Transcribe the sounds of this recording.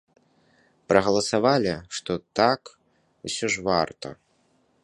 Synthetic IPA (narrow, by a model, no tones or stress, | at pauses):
pɾɐɣɐlˠɐsavalʲiʂt̪ɔt̪ak | usʲɔʐvart̪ɐ̰